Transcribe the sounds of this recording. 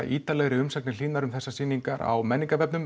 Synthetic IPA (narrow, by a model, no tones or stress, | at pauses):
ʔiːt̪alɛɣɾɪʏmsaknɪl̥iːnaɾʏmθɛsːasiːniŋkaɾa̰wmɛnːiŋkavɛpnʏm